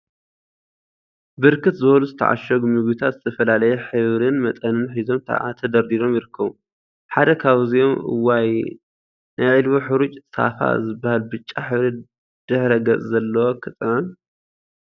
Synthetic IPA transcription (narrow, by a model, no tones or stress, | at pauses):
bɨɾkʰɨt̪zɨbɐluzɨt̪ʰɐ̰ʕa̰ʃɐɡmɨɡjut̪ʰat̪zɨt̪ʰɐfɐlalɐjɛħɨβɾɨnmɐt̪ʼɐnɨnħizo̞mt̪ʰa̰ʕa̰t̪ʰɐd̪ɐɾd̪iɾo̞mjɪɾɨkʰːɐβu | ħad̪ɐkʰaβzijo̞mʔɨ̰wːaj | nʔajʕɨlβoħɨɾut͡ʃʼsa̰fa̰zɨbːahalbɨt͡ʃʼːaħɨβɾɨ | d̪̥ɨħɾɐɡɐt͡sʼzɐlːɐwokʰɨt̪ʼʕɨn